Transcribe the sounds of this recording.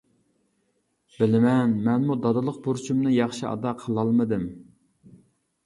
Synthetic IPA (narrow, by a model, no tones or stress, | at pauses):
b̥ɪlɪmɛnmɛnmud̪ɑd̪ɨlˠəq̚buɾt͡ʃʰumnɨjɑχʃiɑ̰d̪ɑqʰəlˠɑlˠmɨd̪ɨm